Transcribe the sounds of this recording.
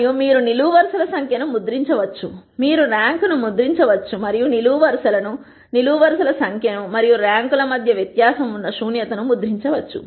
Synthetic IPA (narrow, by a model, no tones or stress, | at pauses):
jumiːɾuniluːʋɐɾsɐlɐsɐŋkʰjɐnumud̪ɾiɲt͡ʃɐʋɐt͡ʃːumiːɾuɾaːŋkunumud̪ɾiɲt͡ʃɐʋɐt͡ʃːumɐɾijuniluːʋɐɾsɐlɐnu | niluːʋɐɾsɐlɐsɐŋkʰjɐnumɐɾijuɾaːŋkulɐmɐd̪ʱjɐʋjɐt̪jaːsɐmunːɐʃuːnjɐt̪ɐnumud̪ɾiɲt͡ʃɐʋɐt͡ʃːṵ